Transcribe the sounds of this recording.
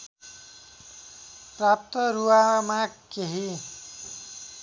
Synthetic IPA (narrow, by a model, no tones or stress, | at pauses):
prap̚t̪ʌɾuwamakeɦi